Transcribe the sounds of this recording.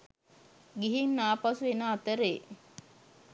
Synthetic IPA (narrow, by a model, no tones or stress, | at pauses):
ɡiɦinːaːpasuʋenəat̪əɾe